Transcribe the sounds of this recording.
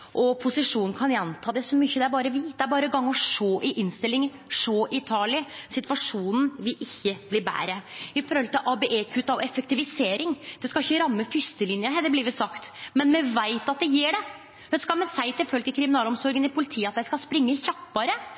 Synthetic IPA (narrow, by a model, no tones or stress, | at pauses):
ʔɔpʰʊsɪʂuːnn̩kʰɑnjɛnt̪ʰɑːd̪ɛsɔmyçːəd̪ɛæɾbɑːɾəʋiːd̪̥ɛæɾbɑːɾəɡɑŋːɔʂoːʔɪʔɪnst̪ɪlːɪŋ | ʂoːʔɪt̪ʰɑːlɪsɪt̪ʋɑʂuːnn̩ʋɪlɪçːəbliːbæ̰ːɾəɪfɔɾhɔlt̪ɪlʔɑbɛʔeːkʰʉt̪ːɑʋɛfɛk̚t̪ɪʋɪseːɾɪŋd̪̥ɛskɑɪçːəɾɑmːəfʏst̪əlɪnjəɦɛːd̪əbliʋɪsɑkt̪mɛnmɛʋæɪt̪ɑt̪̚d̪ɛjiːɖɛ | hʉnskɑlmɛsæɪt̪ʰɪlfœlɡəkʰɾɪmɪnɑːlɔmsɔɾɡənɪpʰʊlɪt̪ʰiːəɑt̪̚d̪æɪskɑlspɾɪŋːəçɑpːɑɾə